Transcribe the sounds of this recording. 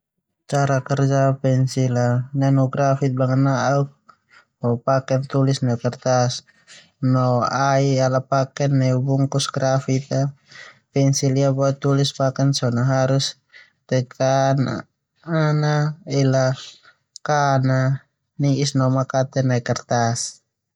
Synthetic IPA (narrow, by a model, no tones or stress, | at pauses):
t͡ʃaɾakɛrd͡ʒapɛnsilananuɡɾafit̪̚baŋanaauk̚ | bɔpakɛnt̪ulisnakɛrt̪as | nɔaialapakɛnːɛubuŋkusɡɾafit̪apɛnsiliabɔɛt̪ulispakɛnsɔnaɦaɾus | t̪ɛkʰana̰ | anaila | kana | niisnɔmakat̪ɛnaikɛrt̪as